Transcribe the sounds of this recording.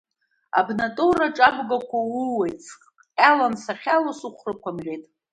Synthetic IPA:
a̰bnatʼoraʈ͡ʂʼabɡakʷʰauwejt͡sʰqʼ | alansaχʲalasuχʷrakʷʰamʁʲejtʼ

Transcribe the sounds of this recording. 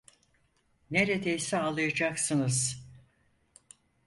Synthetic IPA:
neɾed̪ejsɛalˠɯjad͡ʒaksɯnɯz̥

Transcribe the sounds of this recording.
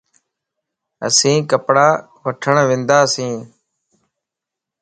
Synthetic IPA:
ə̰sĩːkəpɽaː | ʋəʈʰəɳʋɪ̃ːnd̪aːəsĩː

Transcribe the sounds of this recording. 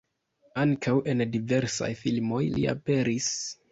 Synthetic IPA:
aŋkʰawʔe̞ndive̞ɾsa̰jfilmo̞jlḭa̰pe̞ɾis

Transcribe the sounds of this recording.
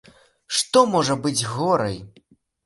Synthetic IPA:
ʂt̪ɔmɔʐɐbɨd͡zʲɣɔɾɐ̰j

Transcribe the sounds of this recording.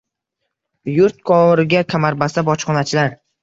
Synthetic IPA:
jʊɾt̪̚kʰɒɾɪɡʲakʲʰamaɾbast̪abɒt͡ʃχɒnat͡ʃʰɪlaɾ

